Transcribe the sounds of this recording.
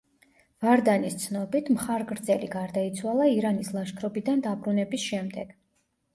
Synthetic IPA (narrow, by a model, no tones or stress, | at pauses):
vaɾd̪anist̪sʰnɔbit̪ʰmχaɾɡɾd̪zɛlḭɡaɾd̪ait̪sʰwalˠaiɾanislˠaʃkʰɾɔbid̪and̪abɾunɛbisʃɛmd̪ɛɡ̥